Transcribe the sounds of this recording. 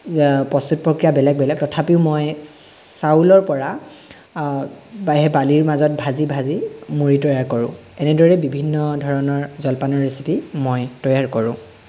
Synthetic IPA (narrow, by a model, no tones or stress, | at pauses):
pɔst̪ut̚pɹokɹijabɛlɛɡ̚bɛlɛk̚tɔtʰapiʊmojsaulɔɹpɔɹa | ɦɛbaliɹmazɔt̚bʱazibʱazimuɹitɔjaɹkɔɹʊ̰̃ | ɛnɛdɔɹɛbibʱinːɔdʱɔɹɔnɔɹzɔlpanɔɹesi̥pimojtɔjaɹkɔɹʊ̰̃